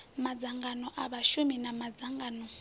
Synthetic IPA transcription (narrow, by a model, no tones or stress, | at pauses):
mad͡zaŋɡanɔʔaβaʃuminamad͡zaŋɡaːnɔ